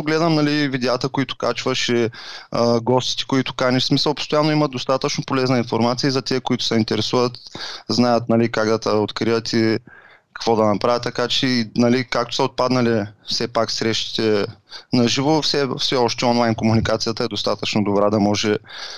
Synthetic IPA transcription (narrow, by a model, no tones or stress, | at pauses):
oɡlɛd̪əmnɐlivid̪ɛat̪əkoit̪ʊ̥kat͡ʃvəʃɛ | ɡɔst̪i̥t̪ɛ̥koit̪ʊ̥kaniʃsmisəlˠpo̥st̪ojanːoimət̪̚d̪ost̪at̪ət͡ʃnopolɛznəinfoɾmat̪sijəizɐt̪ɛkoit̪ʊ̥sɐint̪ɛɾɛsuvət̪znajət̪nɐlikaɡd̪ɐt̪əot̪kɾivət̪i | kɐ̥kvɔd̪ɐnɐpɾavʲət̪ːɐkat͡ʃɛinɐlikak̚t̪o̥sɐot̪̚pad̪nɐlifsɛpaksɾɛʃt̪i̥t̪ɛnɐʒivofsɛfsɛɔʃt̪ɛɔnlˠajnkomunikat̪sijət̪əɛd̪ost̪at̪ət͡ʃnod̪obɾad̪ɐmɔʒɛ